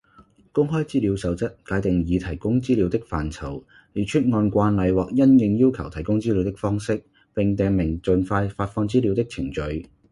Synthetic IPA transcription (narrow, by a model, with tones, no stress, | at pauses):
kʊ˥ŋɦɔː˥jt͡siː˥li˨˧wsɐ˨˧wt͡sɐ˥t̚kaː˨˥jt̪ɪ˨ŋjiː˨˧t̪ʰɐ˨˩jkʊ˥ŋt͡siː˥li˨˧wt̪ɪ˥k̚faː˨nt͡sʰɐ˨˩w | li˨˩t͡ʃʰɵ˥t̚ŋɔː˧nkʷaː˧nlɐ˨˧jwɔː˨k̚jɐ˥njɪ˧ŋjiː˥wkʰɐ˨˩wt̪ʰɐ˨˩jkʊ˥ŋt͡siː˥li˨˧wt̪ɪ˥k̚fɔː˥ŋsɪ˥k̚ | pɪ˨ŋt̪ɛː˨˧ŋmɪ˨˩ŋt͡sɵ˨nfaː˧jfaː˧t̚fɔː˧ŋt͡siː˥li˨˧wt̪ɪ˥k̚t͡sʰɪ˨˩ŋt͡ʃɵ˨˧ɥ